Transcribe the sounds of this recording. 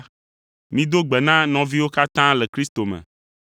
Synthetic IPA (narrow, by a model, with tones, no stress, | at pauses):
mĩ˦d̪o˦ɡ͡bɛ˨nã˦nɔ̃˨vi˦wo˦ka˦t̪ã˦lɛ˨kɾi˦st̪o˨mɛ̰̃˨